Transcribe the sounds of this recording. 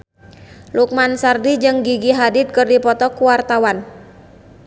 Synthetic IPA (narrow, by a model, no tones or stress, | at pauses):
luk̚mansardid͡ʒɨŋɡiɡiɦadɪt̪̚kɨrdipɔt̪ɔkuwart̪awan